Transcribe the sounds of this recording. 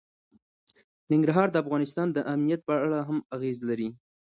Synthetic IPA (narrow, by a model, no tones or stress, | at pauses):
nɪŋɡɾaɦɑɾd̪əafɣɑnɪs̬t̪ɑnd̪əʔamnijat̪̚pəaɭaɦamaɣezlaɾi